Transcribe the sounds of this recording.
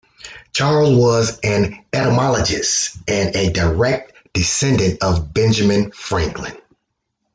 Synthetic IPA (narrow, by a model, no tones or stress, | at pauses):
t͡ʃʰɑɹl̩ˠwʌzɨ̃nɛɾəmɑlˠəd͡ʒɨstɨ̃nɨdə˞ɛk̚t | d̥ɨsɛ̃ndɨ̃ntʌvbɛ̃nd͡ʒɨmɨ̃nfɹæ̃ŋklɨ̰̃n